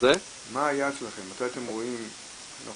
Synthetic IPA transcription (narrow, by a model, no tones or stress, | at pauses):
e | maːjat͡slaχemːat̪ajat̪emʁoim | anʔa̰